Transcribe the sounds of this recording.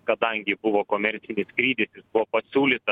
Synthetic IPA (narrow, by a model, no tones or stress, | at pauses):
kɐd̪ɐŋʲɡʲɪbʊʋoːkoːmʲɛɾʲt̪sʲɪnʲɪskɾʲiːd̪ʲɪsʲɪsbʊʋoːpɐsʲuːlʲiːt̪ɐ